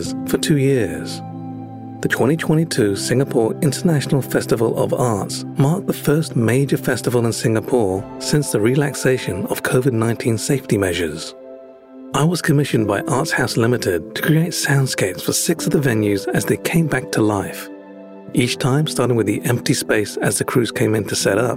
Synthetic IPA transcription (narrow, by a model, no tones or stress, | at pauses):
z̥fə˞tʰʉjɪɹz̥ | ðɨtʰw̥ɛ̃ɾ̃itʰw̥ɛ̃ɾ̃itʰʉsɪ̃ŋəpʰɔɹɪ̃ntʰə˞næʃn̩l̩ˠfɛstɨvəl̩ˠʌ̰vɑɹts | mɑɹk̚ðəfɜ˞smeɪd͡ʒə˞fɛstəvəl̩ˠə̃nsɪ̃ŋəpʰɔɹsɪ̃nsðɨɹilækseɪʃɨ̃nʌ̰v̥kʰoʊvɨdⁿnãɪ̃ntʰĩnseɪftimɛʒə˞z̥ | aɪwʌz̥kʰɨmɪʃɨ̃nbaɪʔɑɹtshaʊslɪ̃mɨɾɪd̚tʰə̥kʰɹ̥ieɪtsãʊ̃nd̥skeɪpsfə˞sɪksʌvðəvɛ̃njʉzɨzðeɪkʰẽɪ̃mbæk̚tʰəlaɪf | ʔit͡ʃtʰãɪ̃mstɑɹɾɪ̃ŋwɨðiʔɛ̃mp̚tispeɪsɨzðɨkʰɹ̥ʉz̥kʰẽɪ̃mɨ̃ntʰɨsɛɾʌp̚